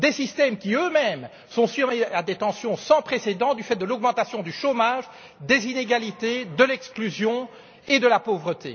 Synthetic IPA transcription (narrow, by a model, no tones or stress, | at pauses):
d̪esist̪ɛmkʲiømɛm | sɔ̃sɥyʁmead̪et̪ɑ̃sjɔ̃sɑ̃pχesed̪ɑ̃d̪yfɛt̪̚d̪əlɔɡmɑ̃t̪asjɔ̃d̪yʃomaʒ | d̪ezineɡalit̪ed̪əlɛksklyzjɔ̃ | ed̪əlapovʁət̪ḛ